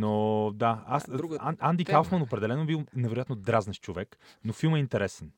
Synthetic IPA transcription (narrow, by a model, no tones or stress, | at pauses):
nod̪aasaand̪ikalˠfmɐnopɾɛd̪ɛlɛnoɛbilˠnɛvɛɾojat̪nod̪ɾaznəʃt͡ʃovɛknofilˠmɛint̪ɛɾɛsɛn